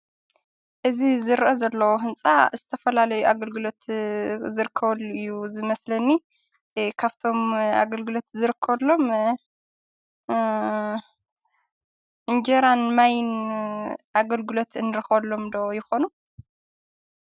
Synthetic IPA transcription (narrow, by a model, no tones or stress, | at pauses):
ʔɨzizɨɾʔɐzɐlːɐwoɦɨnt͡sʼa̰zɨt̪ʰɐfɐlalɐjuʔaɡɐlɡɨlo̞t̪zɨɾɨkʰːɐβɐlːuɨjːuzɨmɐslɐnːi | kʰaβt̪ʰo̞ma̰ɡɐlɡɨlo̞t̪zɨɾɨkʰːɐβɐlːo̞m | ʔɨnd͡ʒeɾanmajn | ʔaɡɐlɡɨlo̞t̪ɨnɨɾɨxβɐlːo̞md̪ojɪxo̞nu